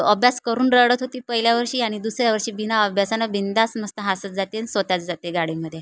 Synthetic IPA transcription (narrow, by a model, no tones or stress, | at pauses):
əbʱjaskəɾuːnɾəɽət̪ɦot̪iːpəɦiljaʋəɾɕiːaɽ̃id̪usɾjaʋəɾɕiːbinaəbʱjasanabind̪asməst̪əɦasət̪d͡zat̪ensʋət̪jat͡sd͡zat̪eɡaɽiməd̪ʱːje